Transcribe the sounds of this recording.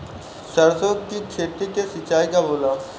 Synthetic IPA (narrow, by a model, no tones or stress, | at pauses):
səɾsod̪kiːkɕʰet̪ikesit͡ɕaikaboːla